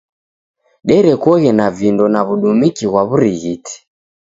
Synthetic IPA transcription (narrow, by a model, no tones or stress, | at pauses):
ɗɛɾɛkɔɣɛnavindɔnaβuɗumikiɣwaβuɾiɣiti̥